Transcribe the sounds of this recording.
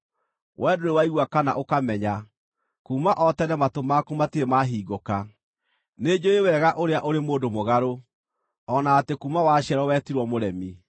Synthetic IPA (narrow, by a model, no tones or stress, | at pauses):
wʔɛːdoɾewaiɣwakana̰ʔokamɛɲa | kumaʔɔtɛnɛmatomakumatiɾemaɦiːɡoka | ned͡ʑoewɛɣaʔoɾeaʔoɾemoːdomoɣaɾo | ɔnaːtekuːmawaɕɛɾɔwɛtiɾwɔmoɾɛmi